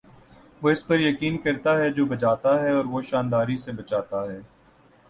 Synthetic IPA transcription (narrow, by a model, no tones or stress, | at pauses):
ʋoːɪspɐɾjɐkiːnkɐɾt̪aɦɛd͡ʒoːbɐt͡ʃaːt̪aɦɛɔːɾʋoʃaːnd̪aːɾisebɐt͡ʃaːt̪aɦɛː